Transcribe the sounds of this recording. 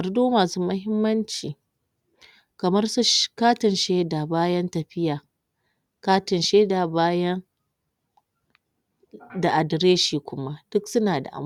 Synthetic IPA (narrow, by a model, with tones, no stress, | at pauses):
kɐ˨rduː˦maː˨suː˦mɐ˦hɪ˦mːɐ˦nt͡ʃiː˨ | kɐ˨mɐ˦rsʃkaː˦tɪ˨nʃeː˦daː˨baː˦jɐ˦ntɐ˨ɸɪ˦jaː˨ | kaː˦tɪ˨nʃeː˦daː˨baː˦jɐ˦ŋ | da˨ʔa˨dɾeː˦ʃiː˨kʷʊ˦ma˦d̥ʊ˦ksʊ˦naː˨da̰˨ʔa̰˦m